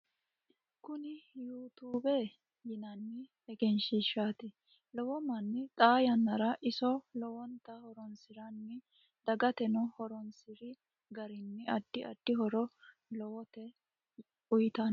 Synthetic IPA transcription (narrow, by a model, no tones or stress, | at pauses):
kʊnɪjuːt̪uːbe | jɪnɐnːɪ | ɛɡɛnʃɪʃaːt̪ɪ | lɔwɔmɐnːɪt̪ʼaːjɐnːɐɾɐʔɪsɔlɔwɔnt̪ɐhɔɾɔnsɪɾɐnːɪ | d̪̥ɐɡɐt̪ɛnɔhɔɾɔnsɪɾɪ | ɡɐɾɪnːɪʔɐd̪̥ːɪɐ̰d̪̥ːɪɦɔɾɔ | lɔwɔt̪ɛ | ʊjt̪ɐn